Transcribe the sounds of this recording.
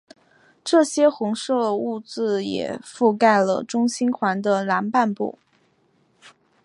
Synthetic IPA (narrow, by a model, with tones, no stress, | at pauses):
ʈ͡ʂɤ˥˩ɕjɛ˥xʊ˧˥ŋʂɤ˥˧u˥˧t͡sɹ̩˥˩jɛ̰˨˩fu˥˧ka˥˩ɪlə̰˩ʈ͡ʂʊ˥ŋɕi˥nkʰwa˧˥nd̪ə˧la˧˥npa˥˧npṵ˥˩